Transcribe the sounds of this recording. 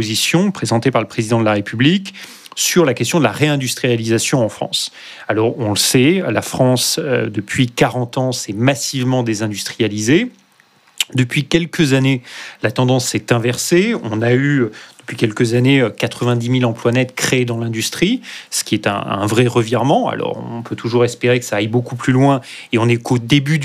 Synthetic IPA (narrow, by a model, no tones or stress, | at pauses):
ozisjɔ̃pχezɑ̃t̪epaʁləpχezid̪ɑ̃d̪əlaʁepyblik | syʁlakɛst̪jɔ̃d̪əlaʁeɛ̃d̪yst̪χijalizasjɔ̃ɑ̃fχɑ̰̃s | alɔʁɔ̃ləsɛlafχɑ̃sød̪əpʰɥikaʁɑ̃t̪ɑ̃sɛmasivmɑ̃d̪ezɛ̃d̪yst̪χijalize | d̪əpɥikʲɛlkʰəzanelat̪ɑ̃d̪ɑ̃sɛt̪ɛ̃vɛʁseɔ̃nayød̪̥əpɥikʲɛlkəzaneøkat̪χəvɛ̃d̪imilɑ̃plwanɛt̪kχeːd̪ɑ̃lɛ̃d̪yst̪χisə̥kʲiɛt̪ɛ̰̃ɛ̰̃vʁɛʁəviʁmɑ̃a̰lɔ̰ʁɔ̰̃ɔ̃pøt̪ʰuʒuʁɛspeʁekəsaːjbokuplylwɛ̃ | eɔ̃nɛkod̪eby